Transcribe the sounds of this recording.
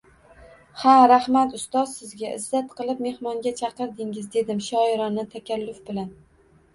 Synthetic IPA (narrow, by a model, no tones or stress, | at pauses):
haɾahmat̪ʊst̪ɒz̥sɪzɡʲaɪzːat̪qʰɨlˠɪp̚me̞hmɒŋɡʲat͡ʃʰɑqɨɾd̪ɪŋɪzd̪e̞d̪ɪmʃɒɪɾɒnːɪt̪ʰakʲalːʊfbɪlan